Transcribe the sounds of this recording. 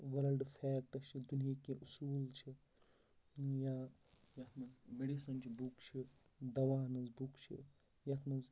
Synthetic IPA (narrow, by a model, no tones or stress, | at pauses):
ʋɐɾɐlɖfʰɛːk̚ʈɐst͡ʃʰid̪unijakẽʔusuːlt͡ʃʰi | ja | jɐt̪ʰmɐzmeɖisɐnt͡ʃʰibukt͡ʃʰi | d̪ɐʋaːnɐzbukt͡ʃʰḭ | jɐt̪ʰmɐz